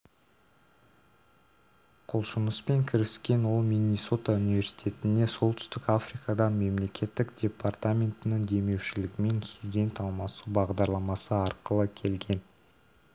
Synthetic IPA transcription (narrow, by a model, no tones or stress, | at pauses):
qʰolˠʃʊnəspe̞ŋkʲʰɪɾɪskʲe̞nwo̞lˠmʲijnʲiso̞t̪aunivʲe̞rsi̥jt̪ʲe̞t̪ɪnd̪e̞so̞lˠt̪ʏ̥st̪ɪkafrijkɑd̪ɑme̞mle̞kʲe̞t̪ːɪkdʲe̞part̪amʲe̞nt̪ɪnɪŋd̪e̞me̞wʃɪlɪɡʲɪme̞nst̪udʲe̞nt̪ɑlˠmɑsubɑʁd̪ɑɾlˠɑmɑsəɑɾqəlˠəkʲʰe̞lɡʲe̞n